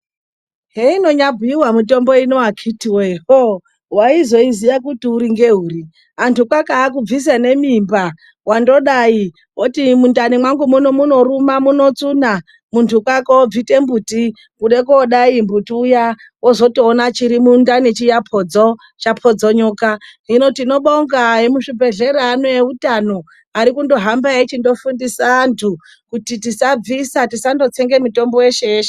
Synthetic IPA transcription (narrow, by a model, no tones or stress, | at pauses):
ɦeino̞ɲabʱiwamito̞mbo̞inoakʰitiweɦo | waizoizijakutiuɾiŋɡeɦuːri | antʰukwakaːkub͡vis̬ane̞mimba | wando̞ɗai | wotimundanimwaŋɡumunomuno̞ɾumamuno̞t͡suna | muntʰukwakoob͡vite̞mbuti | kuɗe̞koːɗaimbutuuja | wozo̞tionat͡ʃiɾimundanet͡ʃijapʰo̞d͡zo | t͡ʃapʰod͡zoɲuːkaɦino̞tino̞ɓoŋɡajemuʂibʱe̞ɮe̞ɾaːnojeutano̞ | aɾikundo̞ɦambaet͡ʃindo̞fundisaːntʰu | kutitisab͡visatisando̞t͡seŋɡe̞muto̞mbo̞je̞ʃeeːʃe